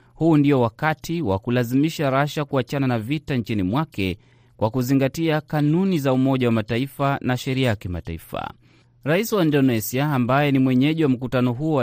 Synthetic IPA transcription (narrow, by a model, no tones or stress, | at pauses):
huːndiɔwakatʰiwa̰kulazimiʃaɾaʃakuat͡ʃananavitaɲt͡ʃinimwakɛ | kwakuziŋɡatiakanunizaumɔʄawamataifanaʃɛɾiajakima̰ta̰ḭfa̰ | ɾaisiwaindɔnɛsiaːmbajɛnimwɛɲɛʄiwam̩kutanɔɦuɔwa